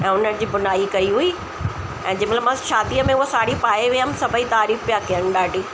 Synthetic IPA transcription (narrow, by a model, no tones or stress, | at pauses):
ɛ̃ːʊnənɪ̆d͡ʑiːbʊnaːikɐiɦʊi | ɛ̃ːd͡ʑɪmlamãʃaːd̪iːəmẽʊɦosaːɽipaːeʋiəmsɐbʱəit̪aːɾiːfpjakijəñɪ̆ɗaːɖʱiː